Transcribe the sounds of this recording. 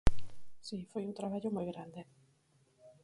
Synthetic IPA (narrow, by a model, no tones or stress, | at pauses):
sifojunt̪ɾaβaʎomojɣɾand̪e